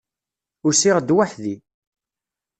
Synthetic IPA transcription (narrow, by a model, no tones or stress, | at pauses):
ʊɾsiʁd̪waħði